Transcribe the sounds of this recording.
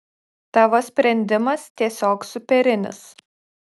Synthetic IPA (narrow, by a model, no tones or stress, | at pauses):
t̪ɑːʋoːsʲpʲɾʲɛnʲd̪ʲɪmɐst̪ʲiɛsʲoːksʊpʲɛɾʲɪnʲɪ̰s